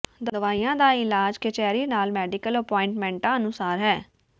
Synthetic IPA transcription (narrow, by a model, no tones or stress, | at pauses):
d̪əd̪əʋaːijãːd̪aːɪlaːd͡ʒket͡ʃɛːɾiːnaːlmɛːɖɪkələpɔːɪ̃ɳʈmɛ̃ːɳʈãːənʊsaːɾɦɛː